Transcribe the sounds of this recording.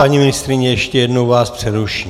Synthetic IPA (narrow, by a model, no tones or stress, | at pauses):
aɲimɪnɪst̪ɾɪɲɛjɛʃcɛjɛdnowvaːspr̥ɛɾuʃi